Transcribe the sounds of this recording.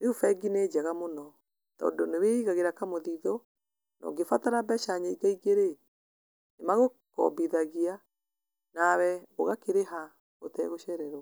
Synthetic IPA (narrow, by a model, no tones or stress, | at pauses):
eufɛɡined͡ʒaɣamonɔ | tɔ̰ːndoneweiɣaɣeɾakamoðiðɔ | nɔ̰ɡefataɾabɛʃaɲaiɡaiɡeɾe | nemaɣo | kɔ̰biðaɣia | nawɛoɣakeɾeɦa | otɛɣoʃɛɾɛɾɔ